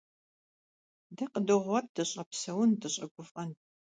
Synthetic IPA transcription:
dɐqədɨʁʷɔrdɨɕʼɐpsɐwʊndɨɕʼɐɡʷʊfʼʔɐn

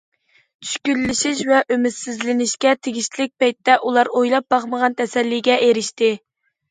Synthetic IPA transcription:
t͡ʃʰy̥ʃkʲylːɪʃiʃvɛʔømɪt̪sɪzlɪnɪʃkʲɛt̪ʰeɡʲiʃt̪ʰlɪk̚ʲpɑjt̪ːɛʔulˠɑɾojlˠɑp̚bɑχməʁɑnt̪ʰɛsɛlːiɡʲɛeɾɪʃt̪ɪ

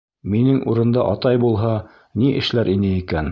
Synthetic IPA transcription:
minɘŋʔuɾɤ̆nd̪ɑ̰ʔɑt̪ɑjbulˠɦɑ | niʔɘ̆ʃlæɾʔinɘikæn

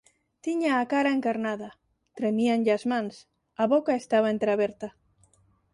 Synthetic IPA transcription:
t̪iɲaːkaɾaeŋkaɾnaða | t̪ɾemianʎaazmãns | aβokaest̪aβ̞aent̪ɾeaβeɾt̪a

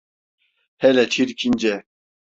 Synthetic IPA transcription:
hɛlɛt͡ʃʰiɾkʰind͡ʒɛ

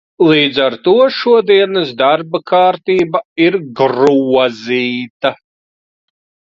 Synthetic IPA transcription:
lˠiːd̪zaɾt̪uɔʃuɔd̪iɛnɨsd̪aɾbakʰaːɾt̪iːbaiɾɡɾuɔziːt̪a

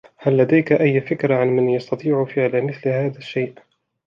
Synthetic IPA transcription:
halːad̪ajkaʔajːfɪkɾaʕanmɪnjɑst̪ɑt̪ˤiːʕʊfɪʕlamɪθlhaːðaʃːajʔ

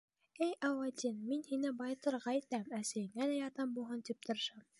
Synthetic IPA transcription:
ɘjʔɑwɑd̪ʲinminhinɘbɑjt̪ɤ̆ɾʁɑit̪æmæsæjɘ̆ŋælæjɑt̪ɑmbulˠɦɤnt̪ip̚t̪ʰɤ̆ɾɤ̆ʃɑm

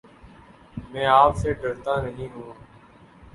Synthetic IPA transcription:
mɛ̃ːaːpseːɖəɾt̪ãːnəɦĩːɦũː

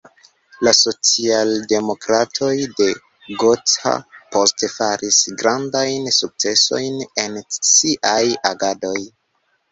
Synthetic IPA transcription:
laso̞t͡sialde̞mo̞kɾatʰo̞jde̞ | ɡo̞t͡sa̰po̞stefaɾisɡɾandajnsuk̚t͡se̞so̞jne̞nsiʔajaɡado̞j

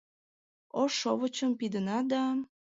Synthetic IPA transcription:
oʃoβət͡ɕəmpid̪ənɑd̪ɑ

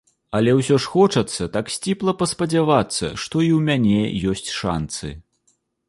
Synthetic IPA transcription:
ɐlʲɛwsʲɔʂxɔt͡ʂɐt̪sːɐt̪aksʲt͡sʲiplˠɐpɐspɐd͡zʲavat̪sːɐ̰ʂt̪ɔiwmʲanʲɛjɔsʲt͡sʲʂa̰nt̪sɨ̰

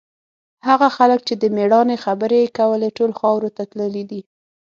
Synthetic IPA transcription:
haɣaxaləkt͡ʃed̪əmeɽɑnexabəɾekawəleʈolxɑwɾot̪at̪ləlid̪i

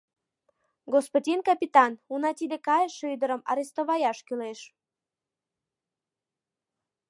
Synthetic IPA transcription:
ɡospodʲinkɑpʲit̪ɑnunɑt̪ʲid̪ekɑjʃyjd̪əɾəmɑ̰ɾest̪oβɑjɑʃkyleʃ

